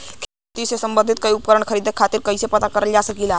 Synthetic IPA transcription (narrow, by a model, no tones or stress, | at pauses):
kʰe | t̪iːsesəmbənd̪ʱit̪̚kəiupkəɾəɳkʰəɾiːd̪ekʰat̪iːɾkəjsepət̪akəɾəld͡ʑasəkila